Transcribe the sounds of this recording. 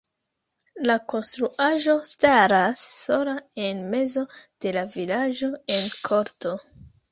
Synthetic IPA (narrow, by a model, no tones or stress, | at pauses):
lako̞nstɾuʔaʒo̞staɾasːo̞lae̞nme̞zo̞d̥e̞lavilaʒo̞e̞nkʰo̞ɾto̞